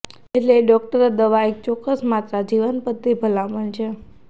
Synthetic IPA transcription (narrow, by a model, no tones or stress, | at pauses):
eʈleːɖɔk̚ʈəɾad̪əʋaek̚t͡ʃɔkːəsmat̪ɾad͡ʒiʋənpət̪ːibʱəlamənt͡ʃʰe